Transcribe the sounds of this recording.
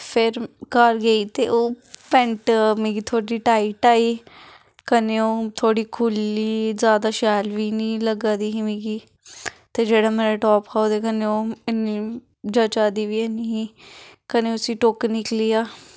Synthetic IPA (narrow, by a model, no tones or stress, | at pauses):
pʰɪɾkəɾɡəiːt̪eːʔoːpɛ̃ɳʈmĩːɡiːt̪ʰoːɽiːʈaːiːʈaːiː | kəneoːt̪ʰoːɽiːkʰʊliːzjaːd̪aːʃɛːlʋiːnĩːləɡaːd̪iːɦimĩːɡiː | t̪eːd͡ʒeːɽaːmeːɾeːʈɔːpkaod̪eːkəneːoːɪniː | d͡ʒət͡ʃaːd̪iːʋiːɛniiːkəneːʊsĩːʈoknɪkliːaː